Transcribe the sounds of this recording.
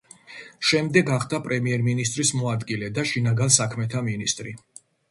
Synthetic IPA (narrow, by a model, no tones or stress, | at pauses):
ʃɛmd̪ɛɡaχd̪apʼɾɛmiɛɾminist̪ʼɾismɔad̪ɡilɛd̪aʃinaɡansakʰmɛt̪ʰaminist̪ʼɾi